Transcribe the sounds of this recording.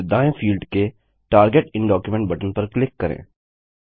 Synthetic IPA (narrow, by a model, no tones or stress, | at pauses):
d̪ãːẽfʰiːlɖke | ʈaːɾɡeʈɪ̃nɖɔːkjumɛ̃ɳʈ̚bɐʈənpɐɾklɪkːɐɾḛ̃ː